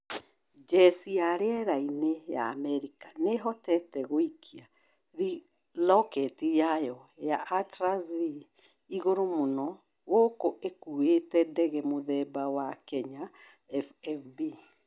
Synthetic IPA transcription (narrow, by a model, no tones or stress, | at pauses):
d͡ʒɛsiaɾeɛɾaineja̰ːmɛɾikaneɦɔtɛtɛɣoikʰia | ɾi | lɔkɛtijajɔjaʔatɾazvi | iɣoɾomonɔ | wokoʔekuetɛdɛɣɛmoðɛbawakɛɲa | ɛfɛfbi